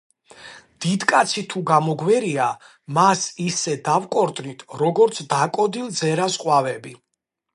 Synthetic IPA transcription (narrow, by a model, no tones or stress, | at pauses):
d̪̥id̪kʼat̪sʰit̪ʰuɡamɔɡwɛɾia | masisɛd̪avkʼɔɾt̪ʼnit̪ʰɾɔɡɔɾt̪sʰd̪akʼɔd̪ilˠd̪zɛɾasqʼwavɛbi